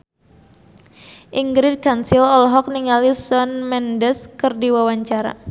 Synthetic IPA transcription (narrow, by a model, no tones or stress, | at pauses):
ʔiŋɡɾɪd̚kansilɔlɦɔk̚niŋalisɔnmɛndɛskɨrdiwawaɲt͡ʃaɾa̰